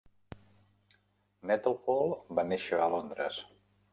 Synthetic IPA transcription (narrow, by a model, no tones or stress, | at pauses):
nɛt̪əlˠpolˠbaneʃəəːlond̪ɾə̰s